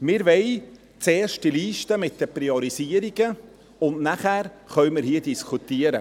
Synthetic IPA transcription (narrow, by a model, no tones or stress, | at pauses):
mɪɾvɛɪ | t͡seːrʃtdiliːʃtəmɪt̚d̥ɛpɾiɔɾisiəɾiɡ̥ə | ʊnnæχæːɾχœɥmɪɾɦiədiskʰut̪iəɾə